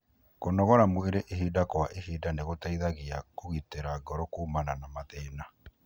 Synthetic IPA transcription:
konɔɣɔɾamweɾeʔeɦidakwaʔehidaneɣotaiðaɣiakoɣiteɾaɡɔɾɔkuːmananamaðɛːna

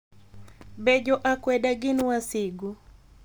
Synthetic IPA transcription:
bɛd͡ʒɔʔakwɛdaɡɪnwasɪɡu

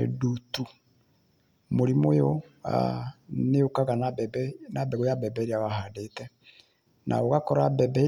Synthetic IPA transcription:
edutu | moɾimojo | a̰neokaɣananabeɣojabɛbɛɾiaβahadetɛ | nʔa̰oɣakɔɾabɛbɛ

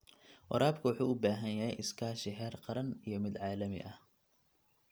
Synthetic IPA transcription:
wɑ̰ɾaːbkʰɐwʊħuːʊbaːɦɐnjɐɦɛjʔɪskʰaːʃɪɦɛːrqɑɾɐnijɞmɪd̪ʕɑːlɐmɪ̰ʔɐh

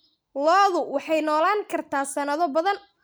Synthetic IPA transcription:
lɔːðʊwɑħɑjnɔːlaːŋkʰɐrt̪ʰaːsɐnɐðɔbɐðɐn

